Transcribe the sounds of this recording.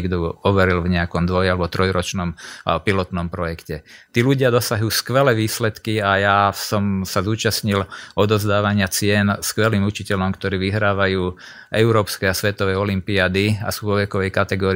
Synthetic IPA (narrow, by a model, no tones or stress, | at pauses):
iɡd̪ɔɔʋɛɾilvɲɛakɔmd̪ʋɔjalɛbɔt̪ɾɔjɾɔt͡ʃnɔmpilɔt̪nɔmpɾɔjɛkcɛt̪iːluɟɪad̪ɔsaɦjuːskʋɛlɛʋiːslɛt̪kiajasɔmsazuːt͡ʃasɲilɔd̪ɔzd̪aːʋaɲɪat͡sɪɛnskʋɛliːmut͡ʃicɛʎɔmkt̪ɔɾiːʋiɦɾaːʋajuː | ʔɛʊɾɔːpskɛjasʋɛt̪ɔʋɛjɔlimpiaːd̪ia̰suːʋɔʋɛkɔʋɛjkat̪ɛɡɔːɾi